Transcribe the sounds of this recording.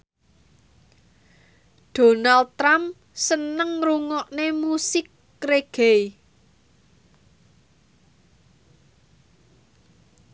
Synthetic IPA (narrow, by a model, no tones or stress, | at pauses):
ɖ̪̥o̤nald̪̚t̪ɾamp | sənəŋruŋɔʔnemusɪkː | ɾeɡ̥ej